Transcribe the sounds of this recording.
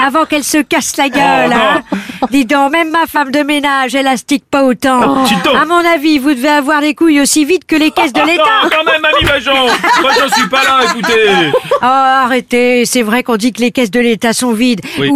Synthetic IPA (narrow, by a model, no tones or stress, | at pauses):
avɑ̃kɛlsəkaslaɡʲœlɛ̃d̪izɔ̃mɛmːafamd̪əmenaʒɛlast̪ik̚paot̪ɑ̃it̪amɔ̃navivud̪əveavwaʁd̪ekujosivid̪kəlekʲɛs̬d̪əlet̪akɔ̃mɛmaimaʒɑ̃maʒə̃sɥipalaekut̪eɔaʁet̪esɛvʁɛkɔ̃d̪ikəlekʲɛs̬d̪əlet̪asɔ̃vid̪wi